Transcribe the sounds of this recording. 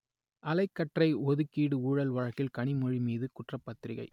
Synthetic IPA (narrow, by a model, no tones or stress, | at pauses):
ʔɐlɐɪkːɐʈrɐɪɔðɯkːiːɽɯuːɻɐlʋɐɻɐkːɪlkɐɳɪmɔɻimiːðɯkʊʈrɐpːɐt̪ːɪɾɪɣɐ̰ɪ